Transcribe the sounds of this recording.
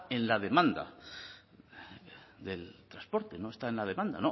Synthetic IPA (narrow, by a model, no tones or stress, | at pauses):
e̞nlað̞e̞mãnd̪a̰ | ðe̞lt̪ɾaspo̞ɾt̪e̞no̞e̞st̪ae̞nlaðe̞mãnd̪a̰no